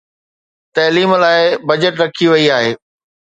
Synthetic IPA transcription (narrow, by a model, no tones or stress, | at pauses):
t̪ɐːliːmlaːɪbɐd͡ʑəʈɾɐkʰiʋɐiaːɦeː